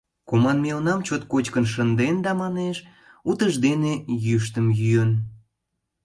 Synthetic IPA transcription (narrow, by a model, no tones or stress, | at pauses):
komɑnmeonɑmt͡ɕot̪̚kot͡ɕkənʃ̬ənd̪end̪ɑmɑneʃ | ut̪əʒd̪enejyʃ̬t̪əmjyjən